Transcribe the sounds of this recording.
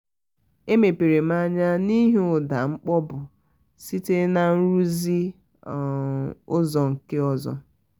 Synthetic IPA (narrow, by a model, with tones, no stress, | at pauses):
e˦me˨pe˨ɾe˨m˦a˦ɲa˦ni˦ɦʊ˨da˨ŋ͡m̩˦k͡pɔ˦bʊ˨ | si˦te˦na˨n̩˦ɾu˦zi˦˨ | ʊ˦zɔ˨ŋ̩˨kɪ˦ɔ˦zɔ̰˦